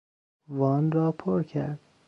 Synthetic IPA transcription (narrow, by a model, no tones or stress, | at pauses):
vɒːnɾɒːpʰoɾcʰæɾd̪̥